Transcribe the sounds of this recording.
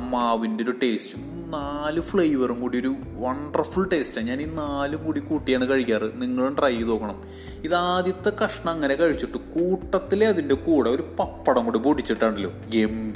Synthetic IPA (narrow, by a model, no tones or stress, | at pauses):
mːaːʋindeoɾuʈe̞ːstum | naːlɨfɭɐjʋɐrumkuːɽijoɾu | ʋɐɳɖɐrfuɭʈe̞ːstaːɲaːninaːlumkuːɽikuːʈːijaːɳɨkɐɻikʲːaːrɨniŋːɐɭuɳɖrɐjːiðo̞ːkːɐɳɐm | iðaːd̪jɐt̪ːɐkɐʂɐɳɐmɐŋːɐne̞kɐɻit͡ɕːiʈːɨkuːʈːɐt̪ːileɐðindekuːɽɐo̞ɾupɐpːɐɽɐmŋkuːɽipuːʈit͡ɕːiʈːaːɳɖɐlːo̞̰ːɡemb